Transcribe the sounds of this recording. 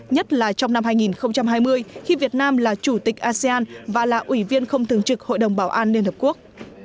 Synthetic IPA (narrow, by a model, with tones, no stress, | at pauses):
ɲə˦˥t̚laː˨˩t͡ɕɔ˧wŋ͡mna˧mhaː˧jŋi˨˩nxə˧wŋ͡mt͡ɕa˧mɦaː˧jmɨ˧əjxi˧vi˨˩ət̚naː˧mlaː˨˩t͡ɕu˧˩t̪ï˨˩k̚ʔaː˧sɛ˧aː˧nvaː˨˩laː˨˩ʔwi˧˩vi˧ənxə˧wŋ͡mt̪ʰɨ˨˩əŋt͡ɕɨ˨˩k̚ho̰˧˨jɗə˨˩wŋ͡mɓaː˧˩wʔaː˧nli˧ənhə˨˩p̚ku˦˥ək̚